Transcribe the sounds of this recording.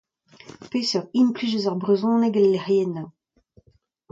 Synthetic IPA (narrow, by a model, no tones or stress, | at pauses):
peːsœʁinplyzøzaʁbʁezɔ̃ːnɛɡɛlːɛʁjɛna